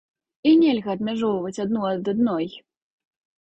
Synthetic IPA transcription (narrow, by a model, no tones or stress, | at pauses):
inʲɛlʲɣɐːd̪mʲaʐɔwvɐt͡sʲad̪nuɐd̪ad̪nɔj